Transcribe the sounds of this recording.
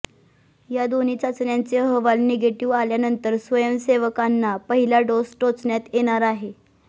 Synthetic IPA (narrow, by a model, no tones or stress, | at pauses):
jad̪oniːt͡sat͡snjant͡seɦəʋalneɡeʈiʋaljanənt̪əɾsʋəjəmseʋəkanːapəɦilaɖosʈot͡sɳjat̪jeɽ̃aɾaɦe